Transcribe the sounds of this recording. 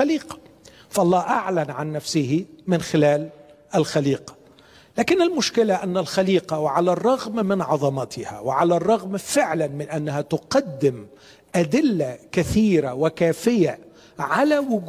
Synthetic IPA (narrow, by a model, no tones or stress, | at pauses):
aliːqɑ̥ | fɑʔɑlˤːɑːʔaʕlanʕanːafsɪhɪmɪnxɪlaːl | ʔɪlxaliːqɑ̥ | laːkɪnɪlmʊʃkɪlaʔanːalxaliːqɑwɪʕalarˤːɑɣmmɪnʕɑðˤɑmɑt̪ʰɪha̰wɪʕalarˤːɑɣmfɪʕlanmɪnʔanːahat̪ʊqɑd̪ːɪm | ʔad̪ɪlːakaθiːɾawɪkaːfɪja | ʕalawʊɡ